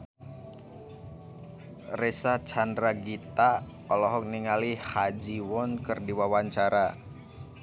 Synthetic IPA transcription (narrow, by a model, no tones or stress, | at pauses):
rɛsat͡ʃandɾaɡit̪a | ɔlɔɦɔk̚niŋalihad͡ʒiwɔnkɨrdiwawaɲt͡ʃaɾa